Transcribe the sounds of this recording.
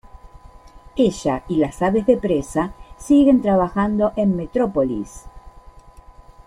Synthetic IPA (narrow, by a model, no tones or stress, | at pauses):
eʒailasaβe̞zðe̞pɾesasiɣe̞nt̪ɾaβaxand̪o̞ʔe̞mme̞t̪ɾopolḭs